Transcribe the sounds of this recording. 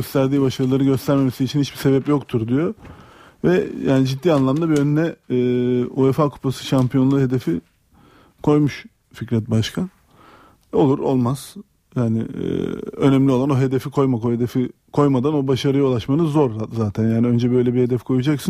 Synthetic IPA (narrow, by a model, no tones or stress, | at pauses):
øst̪ʰæɾd̪iːbaʃaɾɯlˠaɾɯɟø̞st̪ʰæɾme̞mesiːt͡ʃʰinhit͡ʃbise̞bɛpjo̞kt̪ʰuɾd̪ijo̞ | vɛjaːnid͡ʒit̪ːiːanlˠamd̪abiønynɛː | uɛfakʰu̥pʰasɯ̥ʃampʰijo̞nlˠaɦe̞d̪e̞fi | kʰo̞jmuʃ | ficɾɛt̪̚baʃkʰa | o̞lˠuɾo̞̰lˠmaz̥ | jaːnɪ̰ | ø̞nɛmlʲiolˠano̞ɦe̞d̪e̞fikʰo̞jmakʰojed̪e̞fi | kʰo̞jmad̪ano̞baʃaɾɯjaulˠaʃmanɯzo̞ɾzaːt̪ʰænjaːniønd͡ʒɛbø̞jlʲɛbihe̞d̪ɛfkʰo̞jud͡ʒaksɯ